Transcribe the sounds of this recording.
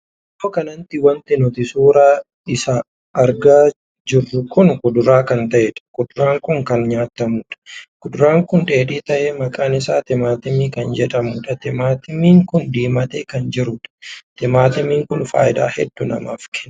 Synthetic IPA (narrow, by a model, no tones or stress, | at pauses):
moːkɐnɐnt̪ɪwɐnt̪ɪnɔt̪ɪsuːɾaː | ɪsaː | ɾɡaː | d͡ʒɪrːʊkʰʊnkʊd̪ʊɾaːkɐnt̪ɐʔɛᶑɐ̥kʊd̪ʊɾaːŋkʊŋkɐnɲaːt̪ːɐmuːᶑɐ̥kʊd̪ʊɾaːŋkʊnᶑe̞ːᶑiːt̪ɐʔeːmɐkʼaːnɪsaːt̪ɪmaːt̪ɪmiːkɐnd͡ʒɛᶑɐmuːᶑɐt̪ɪmaːt̪ɪmiːŋkʊnd̪iːmɐt̪eːkɐnd͡ʒɪɾʊᶑɐ̥t̪ɪmaːt̪ɪmiːŋkʊnfa̰ːjɪd̪a̰ːhɛ̰d̪ːʊnɐ̰ma̰ːfkɛn